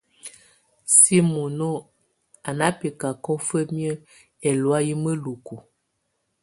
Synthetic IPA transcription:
si˦mo˨no˦˨ | a˨na˦pi˨ka˨kɔ˦fə˦mjə˦ | ɛ˨lwa˦ji˦mə˦lu˨ku˨

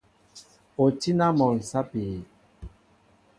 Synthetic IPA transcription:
o˨ti˦na˦mɔ˨n̩˨sa˦pi˨

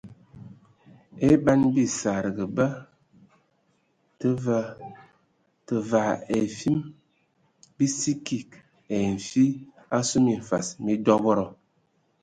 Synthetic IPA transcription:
e˦ba˦nbi˦sa˨ɾə˨ɡə˨bə˦ | tə˦və˦ | tə˨va˨e˨fi˦m | bi˦si˦ki˨k | e˨n̩˨fi˦ | a˦su˦mi˨ɱ̩˨fa˨smi˦dɔ˦bɔ˦ɾɔ˨

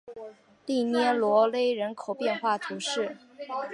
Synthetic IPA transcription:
t̪i˥˩njɛ˥lwɔ˧˥le˥ɪɻə˧˥nkʰo˨˩ʊpjɛ˥˧nxwa˥˩t̪ʰu˧˥ʂɻ̩˥˩

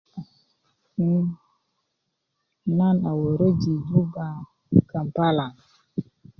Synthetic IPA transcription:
ni˦ | na˦na˨wo˨ɾo˦d͡ʒi˨du˦ba˨ | ka˨m˨pa˦la˨ŋ

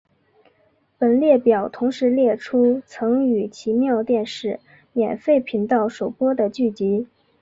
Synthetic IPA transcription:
pə˨˩nljɛ˥˩pjɑ˨˩ʊt̪ʰʊ˧˥ŋʂɻ̩˧˥ljɛ˥˩ʈ͡ʂʰu˥t͡sʰɤ˧˥ŋy˨˩t͡ɕʰi˧˥mjɑ˥˧ʊt̪jɛ˥˧nʂɻ̩˥˩ | mjɛ˨˩nfe˥˩ɪpʰi˧˥nt̪ɑ˥˩ʊʂo˨˩ʊpwɔ˥d̪ə˨t͡ɕy˥˩t͡ɕi˧˥

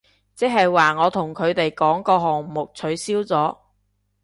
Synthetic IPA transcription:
t͡sɛ˥k̚hɐ˨jwaː˨˩ŋɔː˨˧t̪ʰʊ˨˩ŋkʰɵ˨˧ɥt̪e˨jkɔː˨˥ŋkɔː˧ɦɔː˨ŋmʊ˨k̚t͡sʰɵ˨˧˥ɥsiː˥wt͡sɔː˨˥

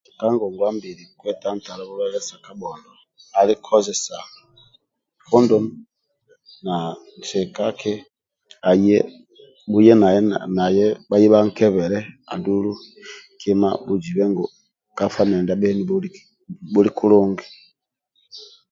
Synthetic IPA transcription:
ka˦ŋɡɔ˨ŋɡwa˦mbi˨ɾi˨kwɛ˦ta˦n˦ta˨la˦βu˦βɛ˦lɛ˦sa˨ka˦ɓɔ˨ndɔ˨ | a˨li˦kʰɔ˦zɛ˨sa˨ | fɔ˦ndɔ˦m | na˨n˨sɛ˨ka˦kɛ˦ | a˨jɛ˦ | bu˦jɛ˦na˨˦na˨jɛ˦ba˦ji˦βa˦ŋ̩˦kɛ˦βɛ˨ɾɛ˦a̰˨du˦lu˦ | kʰi˦ma˦bu˨d͡ʒi˨βɛ˦ŋɡɔ˨ | ka˦fa˦nɛ˨nda˦ɓɛ˦ni˦ | bu˦li˦kʰu˦lɔ˦ŋɡi˨

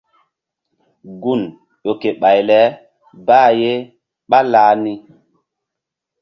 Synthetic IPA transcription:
ɡu˦˨n | ɗo˨ke˨ɓa˨jlɛ˨˦ | baː˦je˦ | ɓa˦laː˦ni˦

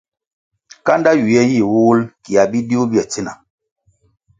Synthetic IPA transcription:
ka˦nda˦ju˨jɛ˦ji˦˨wu˦lki˨a˨bi˦di˦u˦bi˦ɛ˨t͡si˦na̰˨

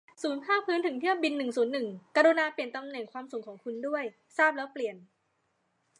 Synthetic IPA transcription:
suː˩˦npʰaː˥˩pʰɯː˦˥nt̪ʰɯ˩˦ŋt̪ʰɯ˥˩əmbi˧nːɯ˨˩ŋsuː˩˦nːɯ˨˩ŋka˧ɾu˧naː˧pli˨˩ənt̪a˧mnɛ˨˩ŋkʰwaː˧msu˨˩˦ŋkʰɔː˩˦ŋkʰu˧ndu˥˩əj | saː˥˩p̚lɛː˦˥wpli˨˩ən

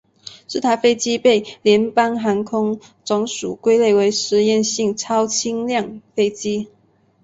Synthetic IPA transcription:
ʂɻ̩˥˩t̪ʰa˧˥ɪfe˥ɪt͡ɕi˥pe˥˩ɪljɛ˧˥npa˥nxa˧˥nkʰʊ˥ŋt͡sʊ˧˥ŋʂu˨˩kwe˥ɪle˥˩ɪwe˧˥ɪʂɻ̩˧˥jɛ˥˨nɕi˥˨˩ŋt͡sʰɑ˥ʊt͡ɕʰi˥ŋljɑ˥˨ŋfe˥ɪt͡ɕi˥

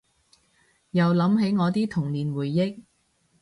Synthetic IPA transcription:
jɐ˨˩wlɐ˨˥mɦe˨˥jŋɔː˨˧t̪iː˥t̪ʰʊ˨˩ŋliː˨˩nwuː˨˩jːɪ˥k̚

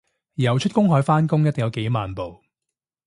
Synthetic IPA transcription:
jɐ˨˩wt͡ʃʰɵ˥t̚kʊ˥ŋɦɔː˨˥jfaː˥nkʊ˥ŋjɐt̪ːɪ˨ŋjɐ˨˧wke˨˥jmaː˨npo˨w

